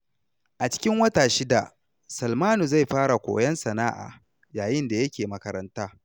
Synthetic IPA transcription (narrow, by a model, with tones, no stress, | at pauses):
ʔa˨t͡ʃɪ̥˦kʲɪ˦ŋwɐ˦taː˨ʃɪ˦da̰˨ | sɐ˨lmaː˦nu˨za˦˨jɸaː˦ɽa˨kʷo̰ː˨jɐ˦nsɐ˨naː˦ʔa̰ː˨ | jaː˨jɪ˦nda˨jɐ˦kʲeː˨mɐ˨kɐ˨ɾɐ˦ntaː˦